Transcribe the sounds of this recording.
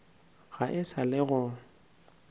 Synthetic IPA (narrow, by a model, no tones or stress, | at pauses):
ɣaʔɪsalɪɣʊ